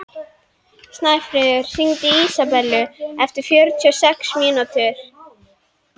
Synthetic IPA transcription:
st̪naːjfɾeːðʏɾ̥siŋt̪ɪiːsapɛlːʏɛft̪ɪɾ̥fjœɾt̪ʰyɔsɛksmiːnat̪ʰʏɾ̥

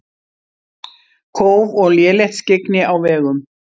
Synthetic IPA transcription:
kʰoːwvɔɣljɛːlɛht̪sceknɪawvɛːɣʏm

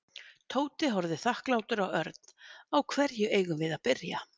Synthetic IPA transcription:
t̪ʰoːwt̪ɪɦɔɾðɪθahklaːwt̪ʏɾawœɾt̪̚n̥awkʰvɛɾjʏʔeːjɣʏmvɪðaðpɪɾja

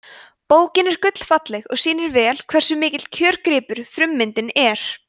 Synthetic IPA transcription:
poːwcɪnɛɾ̥kʏt̪l̥fat̪lɛɣɔ̰ɣsiːnɪɾvɛːl̥kʰv̥ɛr̥sʏmɪːcɪt̪cʰœːɾkɾɪːpʏɾ̥fɾʏmːɪnt̪ɪnɛɾ̥

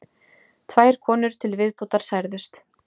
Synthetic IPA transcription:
t̪ʰvaːjɾ̥kʰɔːnʏɾ̥t̪ʰɪlvɪðpot̪aɾ̥sajɾðʏst̪

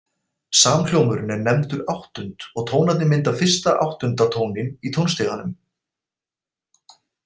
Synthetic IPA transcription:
saːmkl̥jowmʏɾɪnɛnɛmt̪ʏɾawht̪ʏnt̪ɔɣt̪ʰoːwnaðɪmɪnt̪afɪr̥st̪aʔa̰wht̪ʏnt̪at̪ʰoːwnɪnit̪ʰownst̪ɪɣanʏm

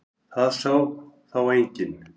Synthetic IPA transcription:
θaðsawθawejɲcɪn

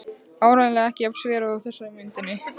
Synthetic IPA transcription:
aːwɾaðlɛɣɛhcɪapsvɛːɾaawθɛsːaɾɪmʏnt̪ɪnːɪ

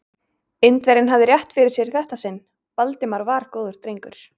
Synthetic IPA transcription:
ɪnt̪vɛɾɪnɦavðɪɾjaht̪fɪɾɪɾ̥sjɛɾ̥θɛht̪asɪnː | palt̪ɪmaɾvaɾkoːðʏɾ̥t̪ɾejŋkʏɾ̥

